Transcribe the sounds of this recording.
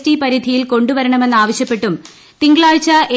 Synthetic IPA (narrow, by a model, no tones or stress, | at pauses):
tipɐɾid̪ʱijilko̞ɳɖuʋɐɾɐɳɐme̞nːaːʋɐɕjɐpːe̞ʈːum | t̪iŋɡɐɭaːt͡ɕːɐʔe